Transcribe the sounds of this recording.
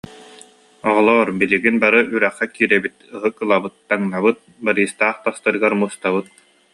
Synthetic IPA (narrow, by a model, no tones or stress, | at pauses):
ɔʁɔlˠɔɾbiliɡinbaɾɯʔyɾɛχːɛkiːɾɛbit̪ɯɦɯkɯlˠabɯt̪ːaŋnabɯt̪̚baɾiːst̪aːχt̪ast̪ɯɾɯɡaɾmuːst̪aβɯt̪̚